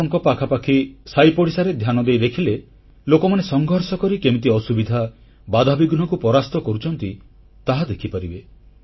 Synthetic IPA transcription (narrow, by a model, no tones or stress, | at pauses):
ɔŋkɔpakʰapakʰisajpɔɽisaɾed̪ʱjanɔd̪ejd̪ekʰile | lokɔmanesɔŋɡʱɔɾsɔkɔɾikemit̪̬iɔsubid̪ʱa | bad̪ʱabiɡunɔkupɔɾast̪ɔkɔɾut͡ʃʰɔnt̪i | t̪aɦad̪ekʰipaɾibe